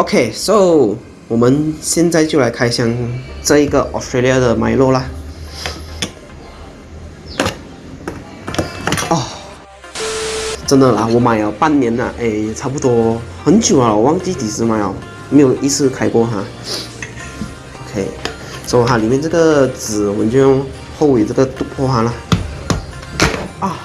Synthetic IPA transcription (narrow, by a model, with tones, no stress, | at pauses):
ʔo˨˧ʊkʰe˥˩so˧˥˩ʊ | wɔ˨˩mə˦nɕjɛ˥˧nt͡sa˥˧ɪt͡ɕjo˥˩ʊla˧˥ɪkʰa˥ɪɕjɑ˥˧ŋʈ͡ʂɤ˥˧i˧˥ɡə̰˨ʔɔ̰˨˧stɹe˥˧li˧a˧d̪ə˨ma˨˧˥ɪlwɔ˥˧la˨ | ɔ˥˧˩ | ʈ͡ʂə˥nd̪ə˨la˨wɔ˧˥ma˧˩ɪa˨˩pa˥˩nnjɛ˧˥nə̰˨˩ʔe˥˧˩ɪʈ͡ʂʰa˥˧pu˧˩t̪wɔ˥xə˧˥nt͡ɕjo˨˩ʊa˧˩wɔ˨˩wɑ˥ŋt͡ɕi˥t̪i˨˩sɹ̩˥ma˧˩ɪa˨˩ | me˧˥jo˨˩ʔi˥t͡sʰɹ̩˥˩kʰa˥ɪkwɔ˥˧xa˧˩ | ʔo˧kʰe˥˩ɪ | so˥˧ɦa˧li˨˩mjɛ˥˧nʈ͡ʂɤ˥˩ɡə˨t͡sɹ̩˨˩wɔ˨˩mə˦nt͡ɕjo˥˧ʊʊ˥˧ŋ | xo˥˧ʊwe˨˩ʈ͡ʂə˥˩ɡə˩t̪u˥pʰɔ˥xa˥lə˩ | ɔ˥˩